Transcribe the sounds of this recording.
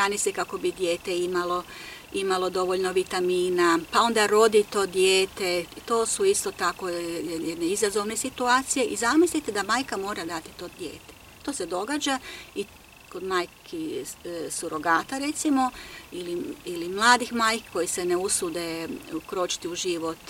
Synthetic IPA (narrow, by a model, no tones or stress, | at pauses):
bɾaːnisekako̞bid̪jeːt̪e̞imalo̞ | imalo̞d̪o̞ʋo̞ʎnoʋit̪amiːnapao̞nd̪aɾo̞d̪it̪o̞ːd̪jeːt̪et̪o̞ːsuist̪o̞t̪ako̞jɛd̪ɛd̪neizazo̞ʋne̞sit̪uaːt̪sije̞ʔizamislit̪ed̪amaːjkamo̞ːɾad̪at̪i̥t̪o̞d̪jḛːt̪e | t̪o̞ːse̞d̪o̞ɡaːd͡ʒai | ko̞d̪maːjkʰi | suɾo̞ɡaːt̪aɾet̪simo̞iliilimlˠaːd̪ixmaːjkkʰːo̞jiseneusud̪e̞ukɾo̞ːt͡ʃi̥t̪iuʒiʋo̞t̪